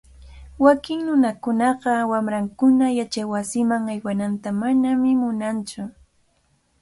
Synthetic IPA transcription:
wakɪŋnʊnakʊnɑɢɑwamɾaŋkʊnajat͡ʃajwasɪmaŋajwanant̪amanamɪmʊnant͡ʃʊ

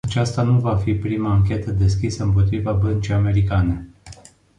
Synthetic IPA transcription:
at͡ʃast̪anuvafipɾimaːŋkʲe̞t̪əd̪e̞skʲisəɨmpo̞t̪ɾivabənt͡ʃijame̞ɾikane̞

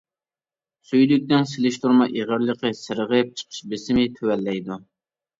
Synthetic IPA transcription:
syjlyk̚ʲd̪ɪnsɪlɪʃt̪uɾmɑʔeʁəɾlˠəqʰəsɨɾəʁəp̚t͡ʃʰə̥qʰə̥ʃbɪsɪmɪt̪ʰøwɛlːɛjd̪u

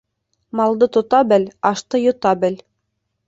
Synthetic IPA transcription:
mɑlˠd̪ɤt̪ŏt̪ɑbɘlɑʃt̪ɤjŏt̪ɑbɘl

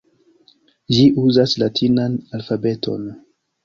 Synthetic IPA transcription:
d͡ʒiʔuzaslatʰinanalfabe̞tʰo̞̰n

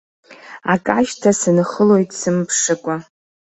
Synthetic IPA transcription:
a̰kʼaʒtʰasɨnχəlo̞jtʼsɨmpʰʂɨkʷʼa

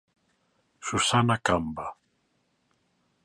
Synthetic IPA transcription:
sʊsanakamba

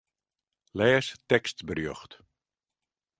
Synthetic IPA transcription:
lɛːstɛkstbrjøxt

